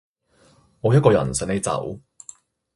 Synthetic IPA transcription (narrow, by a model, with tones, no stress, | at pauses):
ŋɔː˨˧jɐ˥t̚kɔː˧jɐ̰˨˩nsɐ˨˥ne˨˧˥jt͡sɐ̰˨˥w